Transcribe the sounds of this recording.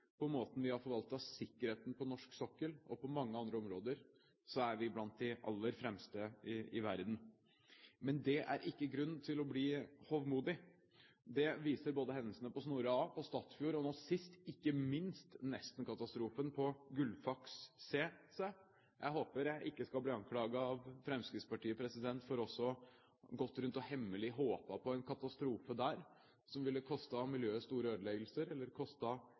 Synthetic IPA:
pʰɔmoːt̪n̩ʋɪhɑɾfɔɾʋɑlt̪ɑʋsɪkːəɾheːt̪npʰɔnɔʂksɔkːəlʔɔpɔmɑŋːəɑnd̪ɾəɔmɾoːd̪əɾ | sɔæɾʋɪblɑnt̪̚d̪ɪʔɑ̰lːəɾfɾɛmst̪əɪɪʋæɾd̪n̩ | mɛnd̪ɛʔæ̰ɾʔɪkːəɡɾʉnːn̩t̪ʰɪlɔbliːhɔʋmuːd̪ɪ | d̪ɛʋiːsəɾboːd̪əɦɛnːəsənəpɔsnuːɾɑːpɔst̪ɑːt̪sfjuːɾɔnoːsɪst̪ɪkːəmɪnst̪nɛst̪ən̩kʰɑt̪ɑst̪ɾuːfənpʰɔɡʉlfɑksːeːse | jʔæ̰ɪɦoːpəɾjæɪʔɪkːəskɑlbliːɑŋkʰlɑːɡɑɑʋfɾɛmskɾɪt̪spɑʈiːəpʰɾɛsɪd̪ɛnt̪fɔɾɔsːɔ | ɡɔt̪ːɾʉnt̪ɔhɛmːəlɪɦoːpɑpʰɔɛnkʰɑt̪ɑst̪ɾuːfəd̪æːɾ | sɔmʋɪlːəkʰɔst̪ɑmɪljøːst̪uːɾəøːd̪əlɛɡlsəɾɛlːəɾkʰɔst̪ɑ

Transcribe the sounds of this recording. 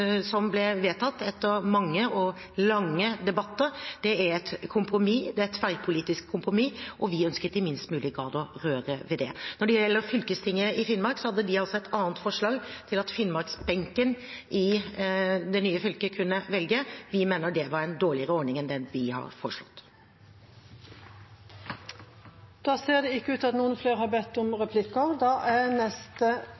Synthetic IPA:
sɔmblɛʋeːt̪ʰɑt̪ːɛt̪ːəɾmɑŋːəɔ | lɑŋːəd̪ɛbɑt̪ːəɾd̪̥ɛæɾɛt̪kʰʊmpɾʊmid̪ɛæɾt̪ːfæɪpʰʊliːt̪ɪskʰːʊmpɾʊmiːʔɔʋɪœnskət̪d̪ɪmɪnst̪mʉːlɪɡɾɑːd̪ɔɾøːɾəʋɛd̪ɛnɔɖɛjjɛlːəɾfʏlkəst̪ʰɪŋːəɪfɪnmɑɾksɔhɑd̪ːəd̪ɪɑlsɔɛt̪ʰɑːnət̪fɔʂɭɑːɡt̪ʰɪlɑt̪fɪnːmɑɾksbɛŋkən | ʔɪ | d̪ɛnyːəfʏlkəkʰʉnːəʋɛlɡəʋɪmeːnəɾɖɛʋɑɾɛnd̪oːɭɪəɾəɔɾɳɪŋɛnd̪ɛnʋɪhɑ̰ɾfɔʂɭɔt̪ː | d̪̥ɑːseːd̪ɛɪkːəʉːt̪ɑt̪nuːənfleːɾhɑbɛt̪ːʊmɾɛpʰlɪkːɑd̪ɑːʔænɛst̪ə

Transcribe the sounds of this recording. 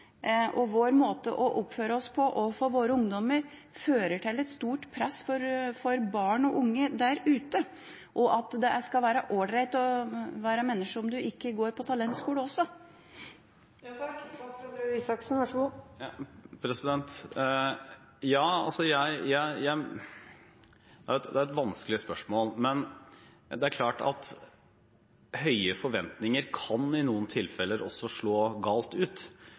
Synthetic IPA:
ʔɔʋoːɾmoːt̪ə̰ʔɔʔʊpføːɾəɔspʰɔʔɔfoːʋoːɾəʊŋd̪ɔməɾ | føːɾəʈʰɪlːɛt̪st̪uːʈpʰɾɛsːfɔɾfɔɾbɑːɳɔʔʊŋːəd̪æɾʉːt̪ə | ʔɔʔɑt̪d̪ɛʔæskɑlʋæːɾəʔoːɖɾæɪt̪ɔʋæːɾæmɛnːəʂɔmd̪ʉʔɪkːəɡoːɾpʰɔt̪ʰɑlɛnt̪skuːləɔsːɔ | ɾisɑksn̩ʋɑʂu | pʰɾɛsɪd̪ɛnt̪ | jɑːɑ̰lsɔjæɪjæɪjæɪ | d̪̥ɛæɾɛt̪d̪ɛæɾɛt̪ʋɑnskəlɪəspœʂmoːlmɛn | d̪ɛæɾkʰlɑːʈɑ̰t̪ | hœʏəfɔɾʋɛnt̪nɪŋəɾkʰɑnɪnuːənt̪ʰɪlfɛlːəɾʔɔ̰sːɔʂɭoːɡɑːlt̪ʉːt̪

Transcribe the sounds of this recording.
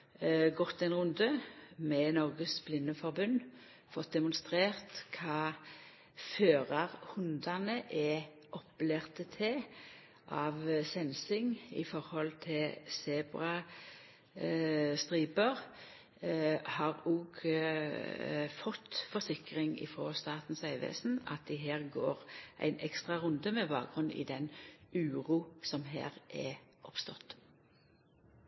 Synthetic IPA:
ɡɔt̪ːɛnʁʉnd̪əmɛnɔʁɡəsblɪnːəfɔʁbʉnː | fɔt̪̚d̪ɛmʊnst̪ʁeːʁt̪kʰɑː | føːʁɑʁhʉnd̪ɑnəʔɛ | ʔɔpːleʁt̪ət̪ʰɛ | ʔɑʋsɛnsɪŋɪ̰fɔʁhɔlt̪ʰɪlsɛːbʁɑ | st̪ʁiːbəʁ | hɑːʁuːɡ | fɔt̪fɔsɪkʁɪŋɪ̰fʁoːst̪ɑːt̪n̩sæɪʋḛːsn̩ɑ̰t̪̚d̪ɪɦeːʁɡo̰ːʁʔæ̰ɪnʔɛkst̪ʁɑʁʉnd̪əmɛbɑːk̚ɡʁʉnḭːd̪ɛnʉːʁuːsɔmɦḛːʁʔɛʔɔpst̪ɔt̪

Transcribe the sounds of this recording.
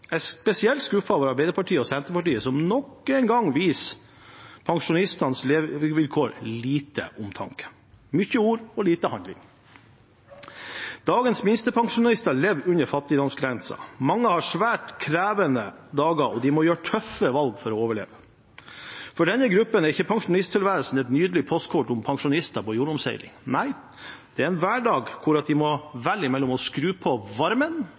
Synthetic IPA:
ɛspɛsɪɛlt̪skʉfɑʋəɾɑɾbæɪd̪əɾpɑʈʰiːəɔsɛnt̪ɾəpɑʈiːəsɔmnɔkːɛɪnɡɑŋʋiːs | pʰɑŋʂʊnɪst̪ɑnsleːʋʋɪlkʰoːɾliːt̪ə̰ʔʊmt̪ʰɑ̰ŋkə̥ | mʏçəuːɾɔliːt̪əhɑnd̪lɪ̰ŋ | d̪̥ɑːɡənsmɪnst̪əpʰɑŋʂʊnɑlɪst̪ɑɭɛʋʉnəɾfɑt̪ːɪd̪ɔmsɡɾɛnsɑ̰mɑŋːəhɑʂʋæːʈkʰɾæːʋənə | d̪ɑːɡɑʔɔd̪ɪmɔjøːʈʰœfːəʋɑlɡfɔɾɔoːʋəɭḛːʋə | fɔɖɛnːəɡɾʉpːənæɾɪçːəpʰɑŋʂʊnɪst̪ʰɪlʋæːɾlsn̩ɛt̪nyːd̪əlɪpʰɔst̪kʰɔʈʊmpʰɑŋʂʊnɪst̪ɑpɔjuːɾʊmsæ̰ɪlɪ̰ŋnæɪ | d̪̥ɛæɾɛnʋæːɖɑːɡkʰʊɾɑt̪̚d̪ɪmɔʋælːɪmɛlːɔmɔskɾʉːpʰɔʋɑɾmən

